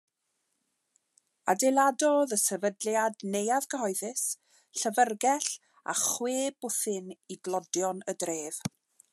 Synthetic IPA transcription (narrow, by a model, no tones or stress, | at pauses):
a̰dejlˠadɔðəsɛvədljadnejaðɡʰəɦɔɨðɪs | ɬəvərɡɛɬ | a̰χweːb̥ʊθɨniɡlˠɔdjɔnədreːv̥